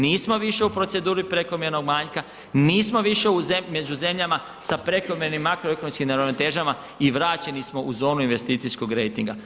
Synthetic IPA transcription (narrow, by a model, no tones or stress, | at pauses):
niːsmo̞ʋiʃe̞upɾo̞t̪se̞d̪uːɾipɾeko̞mje̞ɾeno̞ɡmaːɲka | niːsmo̞ʋiʃe̞uzeme̞d͡ʑuze̞mʎama | sapɾe̞ko̞me̞ɾenimːakɾoekonomskimnaɾoʋnot̪e̞ːʒama | iʋɾaːt͡ɕe̞nismo̞ʔuzo̞ːnuinʋe̞st̪iːt̪sijsko̞ɡɾe̞jt̪iŋɡa